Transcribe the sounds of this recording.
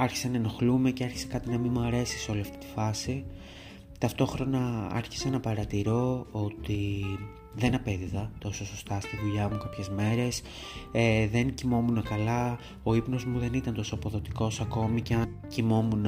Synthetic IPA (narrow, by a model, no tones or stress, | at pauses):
ɐɾçi̥senɐeno̞xlume̞ceɐɾçi̥se̞kɐt̪inɐmimuɐɾe̞si̥so̞liɐft̪i̥t̪i̥fɐsi | t̪ɐft̪o̞xɾo̞nɐɐ̰ɾçi̥seenɐpɐɾɐt̪iɾo̞ot̪i | ðe̞nɐpe̞ðiðɐt̪o̞so̞so̞st̪ɐst̪iðuʎɐmukɐpçe̞zme̞ɾe̞s | eðe̞ncimo̞munekɐlɐ | o̞ipno̞zmuðe̞nit̪ɐnt̪o̞soɐpo̞ðo̞t̪iko̞sɐko̞mice̞ɐn | cimo̞mun